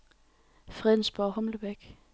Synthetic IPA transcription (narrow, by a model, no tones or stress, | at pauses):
fʁɛðˠn̩sb̥ɒhɔ̽mləb̥æɡ̥